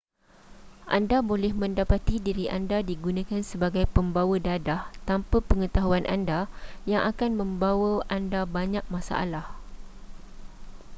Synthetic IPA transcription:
ʔa̰ndabolɛhmə̃ndapat̪idiɾiʔandadiɡunãkansəbaɡajpəmbawədadaht̪ampapəŋət̪aɦuanʔa̰ndajaŋʔakanmə̃mbawəandabaɲãk̚mãsa̰ʔa̰lah

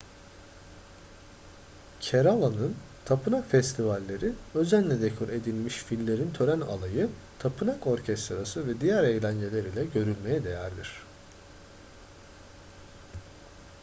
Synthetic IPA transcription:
cʰeɾalˠanɯn | t̪ʰapʰɯnakfɛst̪ʰivalʲːe̞ɾiø̞zænlʲɛd̪ekʰuɾe̞d̪ilʲmiʃfilʲːe̞ɾint̪ʰø̞ɾæna̰lˠajɯ | t̪ʰapʰɯnako̞ɾcʰɛst̪ɾasɯvɛd̪ijæɾe̞jlʲænd͡ʒe̞lʲeɾilʲɛɟø̞ɾylʲme̞jɛd̪e̞jæɾd̪iɾ̝̥

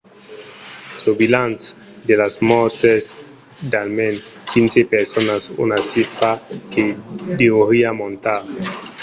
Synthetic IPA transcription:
sobilant͡s | d̪elasmɔt͡ses | dalmenfinsepeɾsonasṵnasifakedeoɾiamont̪a

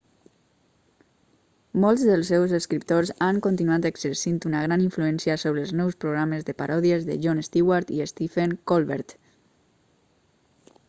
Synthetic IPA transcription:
molˠzðəlˠsːɛwzəskɾip̚t̪ozaŋkont̪inuat̪əkzəɾsint̪unaɣ̞ɾaniɱfluɛnsiasoβɾəlˠznɔwspɾoɣɾaməzðəpaɾʔɔðiəzðə̰ʒonest̪iwaɾt̪iest̪ifeŋkolˠβɛ̰ɾt̪

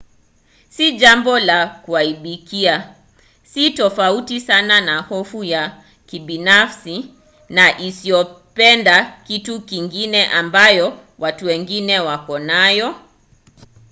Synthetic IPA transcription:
siʄambɔlakuaiɓikia | sitɔfautisananahɔfuja | kiɓinafsi | naʔisiɔ | pɛndakitukiŋɡinɛʔambajɔ | watuwɛŋɡinɛwakɔnajɔ

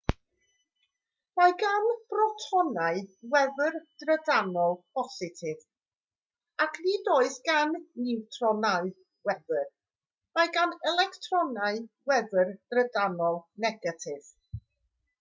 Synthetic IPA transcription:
majɡanb̥rɔtʰɔnaɨwɛðərd̥rədanɔlˠpʰɔsɪtʰɪv | akʰnidoːɨθɡ̥anːɪwtʰrɔnaɨ | wɛðər | majɡanɛlˠɛktʰrɔnaɨwɛðərd̥rədanɔlˠnɛɡatʰɪv̥

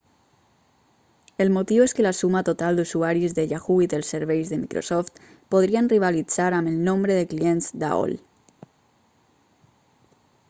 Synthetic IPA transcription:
əlmot̪iweskəlasumat̪ot̪alˠd̪uzuaɾizðəʎaxuiðəlˠseɾβejzðəmikɾo̰sɔft̪ | poð̞ɾiənriβ̞alid͡zaɾaməlˠnõmbɾəðəklienzd̪a̰ɔ̰l

